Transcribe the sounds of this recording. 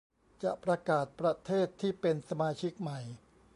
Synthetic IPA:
t͡ɕa˨˩ʔpɾa˧kaː˨˩t̪̚pɾa˧t̪ʰeː˥˩t̪ʰːiː˥˩pe˧nsa˧maː˧t͡ɕʰi˦˥k̚ma˨˩j

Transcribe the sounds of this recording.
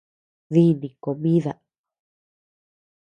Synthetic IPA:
ði˦˧nĩ˨ko˨mĩ˦ða˨

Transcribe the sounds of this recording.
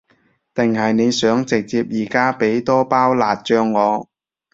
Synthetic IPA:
t̪ɪ˨ŋhɐ˨jne˨˧jsœː˨˥ŋt͡sɪ˨k̚t͡siː˧p̚jiː˨˩kaː˥pe˨˥jt̪ɔː˥paː˥wlaː˨t̚t͡ʃœː˧ŋːɔː˨˧

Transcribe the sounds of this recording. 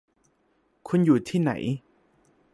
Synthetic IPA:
kʰu˧njuː˨˩t̪ʰiː˥˩na̰˨˩˦j

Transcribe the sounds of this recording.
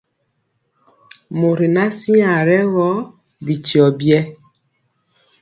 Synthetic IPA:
mo˨ɾi˨na˦si˦a˨ɾɛ˦ɣɔ˦ | bi˨ti˨ɔ˨bjɛ˦

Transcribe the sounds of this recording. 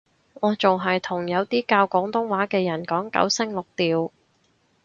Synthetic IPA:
ɔː˨˧t͡sʊ˨ŋɦɐ˨jt̪ʰʊ˨˩ŋjɐ˨˧wt̪iː˥kaː˧wkɔː˨˥ŋt̪ʊ˥ŋwaː˨˥kɛː˧jɐ˨˩nkɔː˨˥ŋkɐ̰˨˥wsɪ˥ŋlʊ˨k̚t̪iː˨w

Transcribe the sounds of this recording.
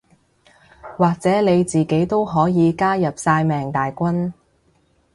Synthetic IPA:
waː˨k̚t͡sɛː˨˥ne˨˧jt͡siː˨ke˨˥jt̪o˥wɦɔː˨˥jiː˨˧kaː˥jɐ˨p̚saː˧jmɛː˨˩ŋt̪aː˨jkʷɐ˥n

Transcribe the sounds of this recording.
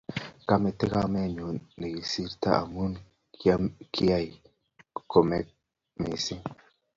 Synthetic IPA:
ka˦me˨t̪ːe˦ka˦me˦˨ɲo˨ne˨ɡi˨si˦ɾt̪a̰˦a̰˨mu˦n | kʰi˦a˦˨j | ko˨me˨ | mi˨si˦

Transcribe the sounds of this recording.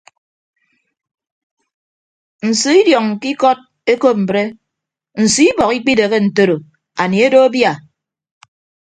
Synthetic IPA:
n̩˨si˨˦i˦djɔ˨ŋ̩˨ki˦kɔ˦t̚ | e˦ko˦p̚m̩˨bɾe˦ | n̩˨si˦i˦bɔ˨ki˦k͡pi˦de˨ɣe˦n̩˨to˦ɾo˨ | a˨ni˨e˦do˦a˦bja˨

